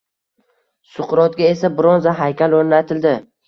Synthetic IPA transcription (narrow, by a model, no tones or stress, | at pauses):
sʊqɾɒt̪̚ɡʲae̞sabɪɾɒnzaɦajkʲaloɾnat̪ʰɪld̪ɪ